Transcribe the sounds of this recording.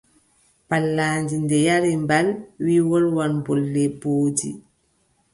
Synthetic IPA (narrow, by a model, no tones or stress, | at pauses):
palːaːɲd͡ʒindɛjaɾimbalwiwɔlwanbɔlːɛboːtḭ